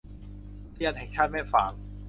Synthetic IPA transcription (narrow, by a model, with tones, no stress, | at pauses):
t̪ʰi˧ənhɛ˨˩ŋt͡ɕʰaː˥˩mɛː˥˩fa̰ː˨˩˦ŋ